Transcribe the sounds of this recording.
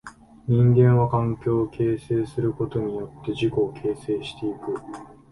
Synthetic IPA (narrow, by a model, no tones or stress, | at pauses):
ɲ̟ĩŋɡẽ̞ɰ̃βakãŋkʲo̞ːkʰe̞ːse̞ːsɨɾɯ̟ko̞t̪o̞ɲ̟ijo̞t̪ːe̞ʑiko̞ːkʰe̞ːse̞ːɕi̥t̪e̞ikɯ̟